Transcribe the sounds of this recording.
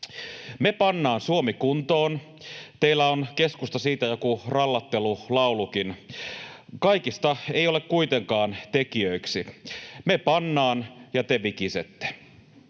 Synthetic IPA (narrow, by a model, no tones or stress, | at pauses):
mepɑnːɑːnsuomikunt̪oːn | t̪eilːæonke̞skust̪ɑsiːt̪æjo̞kurɑlːɑt̪ːelulɑulukin | kɑikist̪ɑejo̞lekkuit̪eŋkɑːnt̪ekiøiksimepɑnːɑːnjɑt̪eʋikiset̪ːe̥